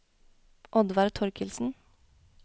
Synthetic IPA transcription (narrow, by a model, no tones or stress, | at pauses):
ʔɔd̪ʋɑɾt̪ʰɔɾkʰɪlsn̩